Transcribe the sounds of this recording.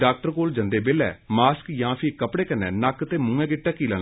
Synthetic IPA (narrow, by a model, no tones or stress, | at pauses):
ɖaːk̚ʈəɾkoːld͡ʒənd̪eːbɪlɛ̰ːmaːskjãːpʰɪkəpɽeːkənːɛ̰ːnakt̪eːmʊ̃ŋɡɛ̃ːɡɪʈːaːkiːlɛ̰ː